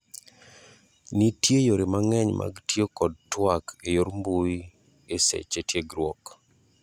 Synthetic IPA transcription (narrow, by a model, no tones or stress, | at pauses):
nitjejoɾemaŋɛɲmʔa̰ɡtjokɔd̚twakejoɾmbui | esḛt͡ʃetjeɡɾwɔk